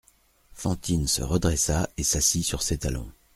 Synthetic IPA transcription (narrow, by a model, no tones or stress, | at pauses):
fɑ̃t̪insə̰ʁəd̪ʁɛsaesasisyʁset̪alɔ̰̃